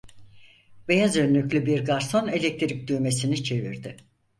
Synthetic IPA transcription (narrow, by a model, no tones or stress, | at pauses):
be̞jazønlʲyclʲybiɾɡaɾso̞ne̞lʲec̚t̪ʰɾic̚d̪yjme̞sinit͡ʃʰe̞vḭɾd̪ɪ